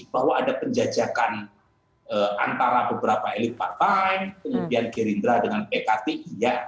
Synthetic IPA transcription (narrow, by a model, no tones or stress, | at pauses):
baɦwaːdapəɲd͡ʒad͡ʒakan | əa̰nt̪aɾabəbəɾapaelipart̪ajnkəŋəpianɡeɾind̪ɾadəŋanpekat̪eʔija